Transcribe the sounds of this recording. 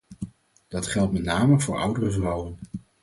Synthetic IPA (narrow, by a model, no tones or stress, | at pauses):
d̥ɑtχɛlˠt̚mɛtnaːməvʊːɹʌ̰wdərəvrɑwən